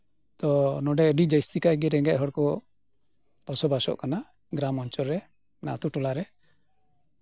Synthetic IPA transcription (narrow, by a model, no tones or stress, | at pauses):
t̪ɔnɔɖɛəɖid͡ʒajst̪ikaɡɛɾɛŋɡɛʔɦɔɽkɔ | pɔsɔbasɔ̰ʔkana | ɡɾamɔnt͡ʃɔɾɾɛ | na̰t̪uʈulaɾɛ